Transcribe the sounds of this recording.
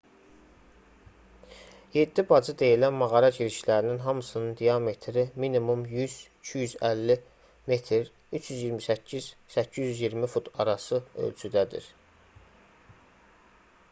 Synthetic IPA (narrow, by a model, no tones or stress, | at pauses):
je̞d̪ːibɑd͡ʒɯd̪e̞jilænmɑɣɑɾɑɟiɾiʃlæɾininɦɑmɯsɯnɯnd̪ijɑme̞t̪ʰɾiminimumjyz̥icʰijyzælːi | me̞t̪ʰɾ | yt͡ʃʰjyzjiɾmisæcʰːiz̥sæcʰːizjyzjiɾmifut̪ʰɑɾɑsɯø̰lt͡ʃʰyd̪æd̪ḭɾ